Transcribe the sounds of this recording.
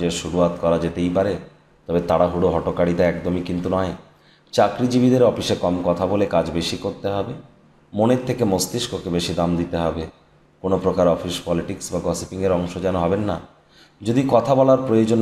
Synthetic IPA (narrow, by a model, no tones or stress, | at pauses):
eʃuɾuɦat̪kɔɾad͡ʑet̪ejpaɾe | t̪ɔbet̪aɽaɦuɽoɦɔʈokaɽit̪aɛkd̪omikint̪unɔe | t͡ɕakɾid͡ʑibid̪eɾɔfiʃekɔmkɔt̪ʰabolekad͡ʑbeʃikoɾt̪eɦɔbe | moneɾt̪ʰːekemost̪iʃkokebeʃid̪amd̪it̪eɦɔbe | konopɾokaɾɔfiʃpɔliʈiksbaɡɔsipiŋeɾɔŋʃod͡ʑɛnoɦɔbenːa̰ | d͡ʑod̪ikɔt̪ʰabɔlaɾpɾojod͡ʑon